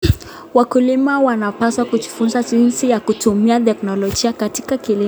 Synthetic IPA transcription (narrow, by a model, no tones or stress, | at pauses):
wakulimawanapaswakud͡ʒifunzad͡ʒinsijakutumiatɛknɔlɔd͡ʒiakati̥kakili